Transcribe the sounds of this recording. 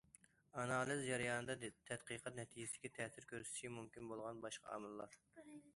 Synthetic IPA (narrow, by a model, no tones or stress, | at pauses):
ɑnɑːlˠɨzd͡ʒɑɾjɑːnɨd̪ɑt̪ʰɛt̪qiqʰɑt̪̚nɛt̪ʰid͡ʒɪsd̪ɪkʲit̪ʰɛːsɪɾkʲøɾsy̥t̪ʰʃimumkʲinbolˠʁɑnbɑʃqʰɑ̰ɑ̰ːmɨlˠːɑɾ